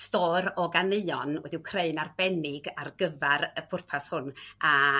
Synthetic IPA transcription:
stɔːɾɔɡaneɨɔnwɛ̰diwkʰreɨnarb̥ɛnɪɡarɡəvaɾəpʰʊrpʰashʊnʔa

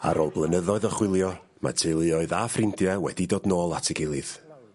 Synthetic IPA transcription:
a̰ɾoːlˠblˠənəðɔɨðɔχwɪlˠjɔ | ma̰tʰɪlˠɨɔɨðafrɪndjɛwɛ̰didoːdnoːlˠatʰɪɡɪlˠɨð̥

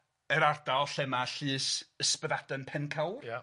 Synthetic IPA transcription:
ɛɾardalˠɬɛmaɬɨːsəspəðadənpʰɛnkʰawrja

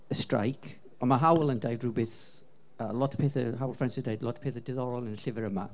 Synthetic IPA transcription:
əstɹa̰jkʰ | ənməɦawlˠəndajdɹuːbɪθ | əlɔtʰə̥pʰeːθəɦawlˠfɛnsɪdajdlɔtə̥pʰeːθədɪðɔɹɔlˠənəɬɪvəɹəma̰

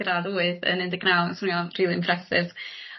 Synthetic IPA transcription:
ɾaðoːɨðə̰nɪndɪɡnalˠsuːɔriːlˠiɪ̰̃mpʰrɛsɪv

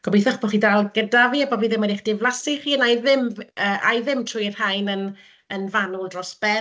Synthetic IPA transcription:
ɡ̥ɔbejθɔχb̥ɔχiːdalˠɡədaviːabɔviːðɪmɔdiχd̥ɪvlˠasiχiːənajðɪməːʔa̰jðɪmtʰrʊjrhajnən | ənvanulˠdrɔsb̥ɛ

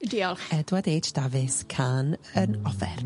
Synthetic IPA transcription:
diɔlˠɛdwadeːt͡ʃʰd̥avɨskʰanənɔfɛ̰r

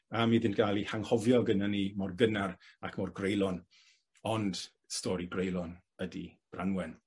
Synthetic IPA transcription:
əmiðɪnɡ̥ʰalˠihaŋhɔvjɔɡənanimɔrɡənarakʰmɔrɡrejlˠɔn | ɔnd̥ | stɔɾiɡrejlˠɔn | ədḭb̥ra̰nwɛn

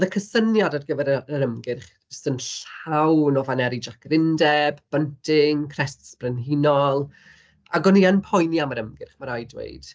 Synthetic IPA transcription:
ðəkʰəsənjadadɡəvɛɾəɾəmɡɪrχ | əstənɬawnɔvanɛɾid͡ʒakʰrɪndɛbb̥əntʰɪŋkʰrɛstsb̥rənɦinɔlˠ | aɡɔnianpʰɔjniaməɾəmɡɪrχmaɾajdwḛjd̥

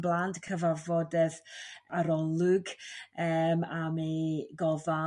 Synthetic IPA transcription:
blˠandkʰəvavɔdɛðaɾɔlˠʊɡəːmamiɡɔða

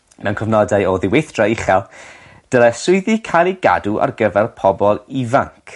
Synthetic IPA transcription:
mɛwnkʰɔvnɔdajɔðɪwejθd̥raiχɛlˠ | d̥əlˠɛsʊɨðikʰalˠiɡa̰duʔa̰rɡəvɛrpʰɔbɔlˠivaŋkʰ

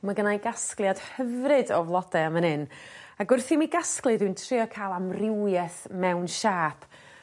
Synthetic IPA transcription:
maɡənajɡasklˠjad̥həvrɨdɔvlˠɔdɛamənɨnaɡʊrθimiɡasklˠɨdɨntʰrɨɔkʰaːlˠamrɪwjɛθmɛwnʃaːpʰ

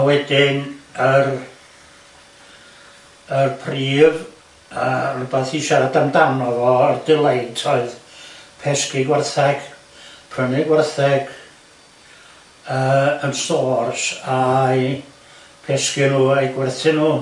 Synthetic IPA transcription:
awɛdɪnər | ərpʰriːv | arʊbɛθiʃaɾadamdanɔvɔərdɪlˠejntʰɔɨðpʰɛskɪɡwɛrθɛɡ̥ | pʰrənɪɡwɛrθɛɡ̥ | əːənstoːrsaj | pʰɛskɪnuːejɡwɛrθɪnuː

